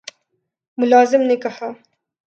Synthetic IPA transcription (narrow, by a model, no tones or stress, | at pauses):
mʊlɑːzɪmnekaha